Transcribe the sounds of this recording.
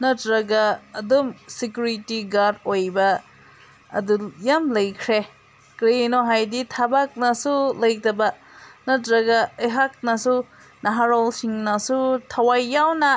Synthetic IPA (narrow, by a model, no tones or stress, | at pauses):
nɐtɾɐɡaːdumsikjuɾitiɡaɾdojbɐ̰ː | dujamlɐjkʰɾe | kɾenoɦajditʰabak̚nɐsulɐjtɐbɐ | nɐtɾɐɡaejɦak̚nɐsu | naɦaɾɔlsiŋnɐsutʰawajːawnɐ